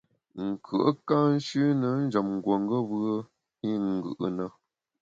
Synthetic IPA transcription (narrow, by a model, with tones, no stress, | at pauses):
ŋ̩˨kʰɯ˨ʔə˦ka˦n̩˦ʃʉ˦nə˨˦n̩˦d͡ʒə˨mŋ̩˨ɡwo˨ŋɡə˦bɯ˦ə˦ | i˦ŋ̩˨ɡɯ̰˨ʔə̰˨nə˦˨